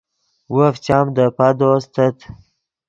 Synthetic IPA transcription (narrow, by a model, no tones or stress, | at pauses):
wuft͡ʃɑːmd̪əpad̪ost̪ət̪